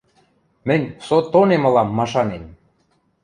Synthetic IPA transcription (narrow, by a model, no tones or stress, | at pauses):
mɘ̆nʲsot̪onemɤ̆lɑmːɑʃɑnem